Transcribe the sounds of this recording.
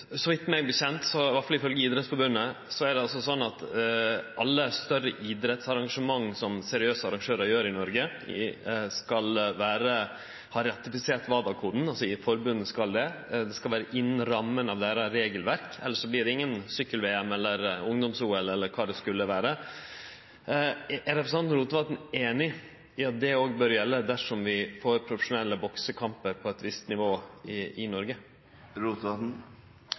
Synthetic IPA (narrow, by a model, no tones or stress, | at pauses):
sɔʋɪt̪ːmɛɡ̚blɪːɾçɛnt̪sɔʋɑɾʈfɑlɪfœlɡəiːd̪ɾɛt̪sfɔɾbʉnːəsɔæɖɛɑlsɔsɔnːɑt̪ | ʔɑlːəst̪œɾəʔiːd̪ɾɛt̪sɑɾɑŋʂəmɑŋːsɔmsɛɾɪøːsəɑɾɑŋʂøːɾəɾjøːɾɪnɔɾɡə̰ | skɑlʋæːɾə | hɑːɾɑt̪ɪfɪseːʈʋɑːd̪ɑːkʰuːd̪n̩ɑlsɔɪfɔɾbʉnːəskɑld̪ɛd̪ɛskɑlʋæːɾəʔɪnːɾɑmːənɑʋd̪æːɾɑɾeːɡəlʋæɾkɛlːəʂɔblɪɖɛɪŋːənsʏkːəlʋeːɛmɛlːəɾʊŋd̪ɔmsuːəlɛlːəɾkʰɑːd̪ɛskʉlːəʋæːɾə | ʔæɾɛpɾəs̬ɑnt̪ɾuːt̪ʋɑːt̪n̩eːnɪ | ɪɑt̪̚d̪ɛoːɡbœɾjɛlːəd̪æʂɔmʋɪfoːɾpʰɾʊfəʂʊnɛlːəbɔksəkʰɑmpəɾpʰɔɛt̪ʋɪst̪nɪʋoːɪɪnɔɾɡə | ɾuːt̪ʋɑt̪n̩